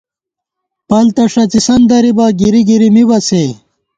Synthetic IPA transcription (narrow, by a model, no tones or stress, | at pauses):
pɐlt̪ɐʂɐt͡sisɐnd̪ɐɾibaɡiɾiɡiɾimibɐt͡se